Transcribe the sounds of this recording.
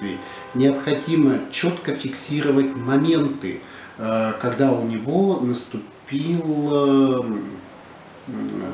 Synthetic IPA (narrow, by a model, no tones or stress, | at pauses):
ɨɪ | nʲɪɐpxɐdʲimət͡ɕot̪kəfʲɪksʲiɾəvət̚ʲmɐmʲe̞nt̪ɨ̰ | kɐɡd̪aʊnʲɪvo̞nəst̪ʊpʲilˠə